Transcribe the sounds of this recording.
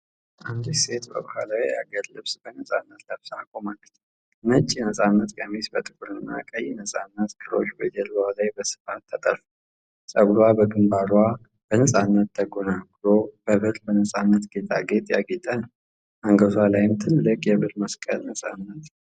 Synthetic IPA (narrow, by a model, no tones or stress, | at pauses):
ʔand̪ise̞t̪bə̰bahalawijaɡəllɨβsbənəsʼanːət̪ləβsakʼomalːət͡ʃ̪ | nət͡ʃʼːinəsʼanːət̪kʼəmisbət̪ʼɨkʼuɾɨnːa̰kʼəjɪnəsʼanːət̪ɡɨɾo̞̰t͡ʃːbəd͡ʒɛlwalajbəsɨ̥fat̪ʰːət̪ʼəɾfu | sʼəɡlwabəɡɨmbaɾwa | b̥ənəsʼanːət̪t̪ʰːəɡonaɡlob̥əβɨɾbənəsʼanːət̪ɡe̞t̪ʰʼaɡe̞t̪ʼjaɡet̪ʼənəw | ʔaŋɡəzwalajɪmt̪ʰɨlːɨkʼjɛβɨlməskʼə̰lnəsʼa̰nːət̪